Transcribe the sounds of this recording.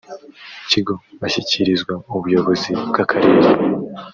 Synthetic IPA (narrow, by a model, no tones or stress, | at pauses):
ciɡo̞βaçiciɾizɡwauβujo̞βo̞zibɡakʰaɾeːɾe